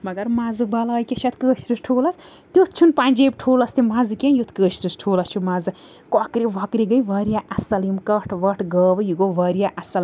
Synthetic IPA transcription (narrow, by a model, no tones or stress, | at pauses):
mɐɡɐɾmazɨbɐlaːjkʲɐʃʰɐt̪kəːʃɾɨsʈʰoːlɐs | t̪ut̪t͡ʃʰunpanʲd͡ʒeb̚ʲʈʰoːlɐst̪imazɨkʲenjut̪ʰkəːʃɾɨsʈʰoːlɐst͡ʃʰumɐzɨ | kɔkɾiʋɐkɾiɡɐjʋɐɾijaʔɐsɐlimkɐʈʰʋɐʈʰɡəːʋɨjiɡoʋɐɾjaʔɐsɐl